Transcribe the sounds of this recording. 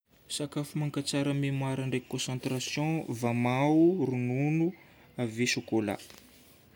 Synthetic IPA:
sakafumaŋkat͡saɾəmemwaɾaɳɖ͡ʐekɔ̃sɑ̃nt̪rasjɔ̃vamaurununu | avesukola̰

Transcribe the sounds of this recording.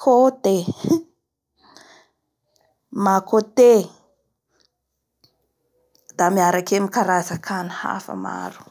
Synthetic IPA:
kʰot̪e | makot̪e | d̪̥amiaɾakemikaɾazakʰaniha̰fə̰ma̰ɾu̥

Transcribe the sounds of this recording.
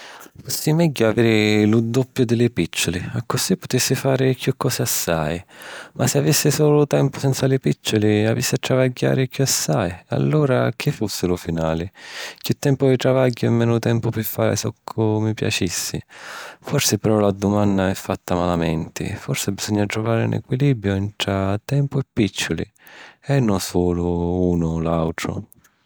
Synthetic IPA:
fɔsːɪmɛɟːʊavɛːɾɪlud̪ːɔpːjʊd̪ɪlɪpit͡ʃːʊlɪakːʊsipːʊt̪ɪsːɪfaːɾɪkjukːɔːsɪasːajmʔasɪavisːɪsɔːlʊt̪ɛmpʊsɛnt̪salɪpit͡ʃːʊliavḭsːɪat̪ːɾavaɟːa̰ːɾɪkjuasːaja̰lːuːɾak̟ʰifːusːɪlʊfinaːlɪkɪt̪ːɛmpʊvɪt̪ɾavaɟːʊɛmːɛːnʊt̪ɛmpʊpɪfːaːɾɪ̰sɔkʰːʊmipja̰t͡ʃisːɪfɔrsɪpɛɾɔlad̪ʊmanːaɛfːat̪ːamalamɛnt̪ɪ̰fɔrsɪbiz̥ɔɲːat̪ɾʊvaːɾɪṵnʔɛ̰kwiliːbɾjʊɛnt̪ɾat̪ɛmpʊɛpːit͡ʃːʊlḭ | ɛnːʊsɔːlʊuːnʊlawt̪ɾʊ̰

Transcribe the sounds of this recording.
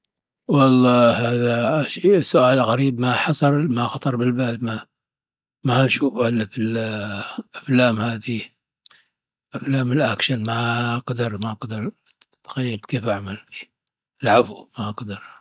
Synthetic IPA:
wɑlˤːɑːhaːðaʃisːʊʔaːlɣaɾiːbmaħɑsˤɑɾˤmaxɑt̪ˤɑɾˤbɪlbaːma | maʃuːfhalːafil | ʔaflaːmhaːði | ʔaflaːmɪlʔakʃanmaɡd̪ɪɾˤmaʔɑqd̪ɪɾˤ | t̪xajːalbkeːfʔaʕmalfi̥ː | ɪlʕafwmaʔɑqd̪ɪɾˤ

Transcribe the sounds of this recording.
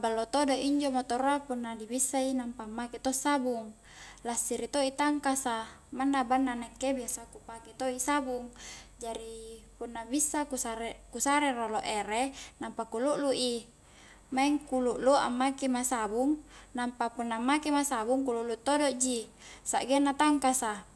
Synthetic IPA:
abalːot̪odoʔiɲd͡ʒomot̪oɾoapunːadibisːainampaːmːaket̪osːabuŋ | lasiɾit̪oit̪aŋkasamanːabanːanekebiasakupaket̪oisabuŋd͡ʒaɾipunːabisːakusaɾekusaɾeroloʔeɾenampakuluʔluʔi | maiŋkuluʔlua̰mːakemasabuŋnampapunːamːakemasabuŋkuluʔlut̪odoʔd͡ʒisa̰ʔɡenːat̪aŋkasa

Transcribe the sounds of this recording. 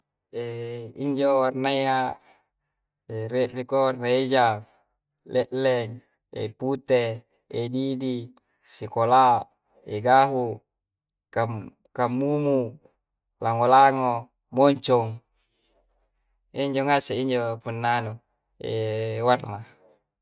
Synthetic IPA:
eiɲd͡ʒowarnaia | ereʔrikorred͡ʒa | lʔɛʔlɛŋ | ḛput̪eː | didi | sikola | eɡaɦu | kam | kamːumu | laŋolaŋo | mɔɲt͡ʃɔŋ | eɲd͡ʒoŋaseiɲd͡ʒopunːanu | ewarna

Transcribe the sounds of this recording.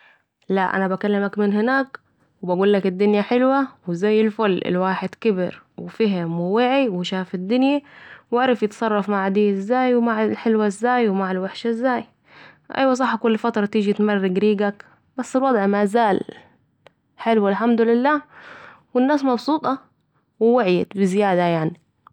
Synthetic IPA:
laʔa̰nabakalːamakmɪnhɪnaːk | wɪbaɡuːlːakɪd̪ːʊnjaħɪlwawɪzajːɪlfʊlːʔɪ̰lwaːħɪd̪kɪbɪɾ | wɪfiɦɪmwɪwaʕiwɪʃaːfɪd̪ːʊnjawɪʕɾˤɑfjɪt̪sˤɑrˤːɑfmaʕd̪iːʔɪzːaːjwɪmaʕlħɪlwaɪzːaːjwɪmaʕalwaħʃaɪzːaːj | ʔa̰jwasˤɑħːkʊlːfat̪ɾˤɑt̪iːd͡ʒit̪marːɪɡɾiːɡak | b̥asːɪlwɑd̪ˤʕmazaːl | ħɪlwalħamd̪ulɪlːaːwɪnːaːsmɑbsˤuːt̪ˤɑ | wɪwaʕja̰t̪bɪzɪjaːd̪ajaʕni

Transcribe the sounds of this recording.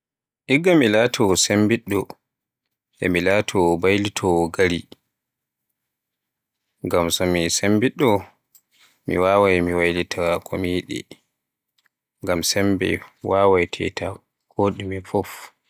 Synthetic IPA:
ʔiɡːamilaːtʰɔsembiɗːɔ | ʔɛ̰milaːtʰɔbajlitʰɔɡaɾi | ŋɡamsɔmisembiɗːɔ | mḭwaːwajmiwajlitʰakʰɔmijɗɛ̰ | ŋɡamsɛmbɛ̰waːwajtʰɛ̰tʰa | koːɗimifɔf

